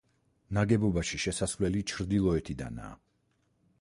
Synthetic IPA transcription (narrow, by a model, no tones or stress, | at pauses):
naɡɛbɔbaʃiʃɛsasvlɛlit͡ʃʰɾd̪ilˠɔɛt̪ʰid̪a̰na̰ː